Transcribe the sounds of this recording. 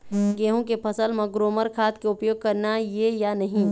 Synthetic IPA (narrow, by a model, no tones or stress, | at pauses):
ɡeːɦõkepʰəsəlmẽɡɾoːməɾkʰaːt̪keʊpjoːɡ̚kəɾnajejanɐɦĩ